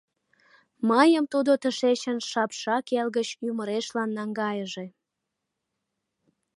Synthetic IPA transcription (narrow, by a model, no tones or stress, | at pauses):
məjəmt̪ud̪ot̪əʃet͡ɕənʃɑpʃɑkelɣət͡ɕyməɾeʃlɑnːɑŋɡɑjəʒe